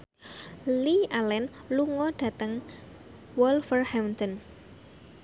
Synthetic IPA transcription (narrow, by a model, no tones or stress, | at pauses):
lialɛnluŋɔɖ̥ä̤t̪əŋ | wɔlfərhamnt̪ən